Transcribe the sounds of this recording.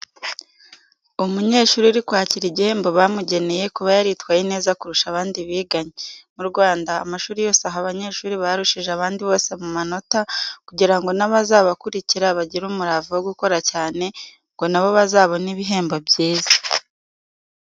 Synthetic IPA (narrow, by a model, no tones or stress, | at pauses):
umuɲe̞ːʃuːɾiɾikwaːciɾiɟihe̞ːmbo̞βamuɟe̞ne̞je̞kuβajaɾitwajine̞ːzakuɾuʃaβaːndiβiːɡaɲemuɾɡwaːndaːmaʃuːɾijo̞ːseaɦaβaɲe̞ʃuːɾiβaɾuʃiʒeaβaːndiβo̞ːse̞mumano̞takuɟiɾaŋɡo̞naβazaːβakuɾiciɾaβaɟiɾuːmuɾavuwoɡuko̞ɾacaːne̞ | ŋɡo̞naβo̞βazaːβo̞niβiɦe̞ːmbo̞bjiːzḁ